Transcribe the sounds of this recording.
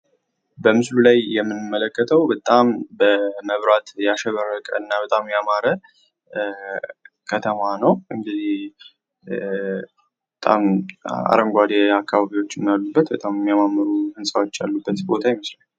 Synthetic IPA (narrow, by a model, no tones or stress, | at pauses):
bəmɨslulajːɛmːɨnɨmːələkːət̪ʰəwbət̪ʼambəməβɾat̪jaʃɛβəɾəkʼə̰ɨnːabət̪ʼamjamaɾə | kʰət̪ʰəmanəwʔɨŋɡɨzih | bət̪ʼa̰ma̰ɾəŋɡʷad̪eakʰːaβaβiwo̞t͡ʃːɪnːjalːubːət̪bət̪ʼamjɛmːjamamːəɾuhɨnsʼawo̞t͡ʃːa̰lːubːət̪bo̞t̪ʰajɪməslən